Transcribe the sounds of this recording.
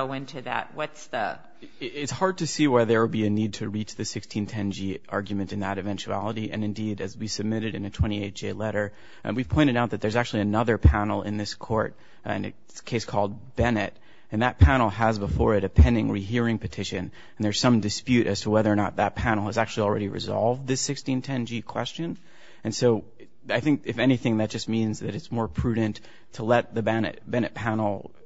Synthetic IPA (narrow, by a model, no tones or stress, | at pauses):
oʊɪ̃ntʰʉðæ̰t̚wʌtsðɨ | ɪtshɑɹd̚tʰɨsiwaɪðə˞wəlˠbiɨnid̚tʰɨɹit͡ʃðɨsɪkstʰĩntʰɛ̃nd͡ʒiʔɑɹɡjmɨ̃ntɨ̃nðəɾɨvɛ̃nt͡ʃʉæ̰lˠəɾiʔɨ̰̃nɨ̃ndiɾɨzwisɨb̚mɪɾɨɾɨ̃nɨtʰw̥ɛ̃ɾ̃ieɪt̚d͡ʒ̥eɪlɛɾə˞ | wiv̥pʰɔ̃ɪ̃ɾ̃ɨɾaʊt̪̚ðɨt̪̚ðə˞zæk̚t͡ʃʉl̩ˠiɨnʌðə˞pʰænl̩ˠɪ̰̃nðɪskʰɔ̰ɹt̚ | ɪ̰̃nɨ̰ | skʰeɪskʰɔlˠd̚bɛnɨɾ | ɨ̃nðɨt̚pʰænl̩ˠəzbəfɔɹɨɾɨpʰɛ̃nɪ̃ŋɹiɦiɹɪ̃ŋpɨtʰɪʃɨ̃n | n̩ðə˞z̥sʌ̃mdɨspjʉɾʔɨz̥tʰəwɛðə˞ənət̪̚ðɨt̚pʰænl̩ˠəzæk̚t͡ʃʉl̩ˠil̩ˠɹɛ̰ɾiɹɨ̰zɑ̰lˠvd̪̚ðɪsɪkstĩntʰɛ̃nd͡ʒikʰw̥ɛ̰st͡ʃɨ̃n | ɨ̃nsoʊ | aɪθɪ̃ŋkɨfɛñiθɪ̃ŋðɨt̚d̥ʒ̥ʌst̚mĩnzðɨɾɨtsmɔɹpʰɹ̥ʉdⁿn̩tʰ | əlɛt̪̚ðɨbɛnɨ̰t̚b̥ɛnɨt̚pʰænl̩ˠ